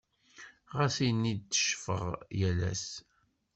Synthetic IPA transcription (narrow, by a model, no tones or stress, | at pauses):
ʁæsinid̪̚t͡sːə̥ʃfə̰ʁjælæ̰s